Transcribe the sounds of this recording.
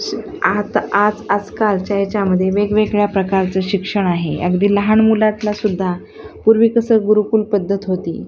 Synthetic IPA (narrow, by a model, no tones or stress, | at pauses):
at̪ad͡zad͡zkalt͡ɕaɦet͡ɕaməd̪ʱːjeʋeɡʋeɡɭjapɾəkaɾt͡səːɕikʂəɳ̃aɦḛjə̰ɡd̪iːləɦaɳmulat̪lasud̪ʱːa | puɾʋiːkəsəːɡuɾukuːlpəd̪ʱːət̪ɦot̪ḭː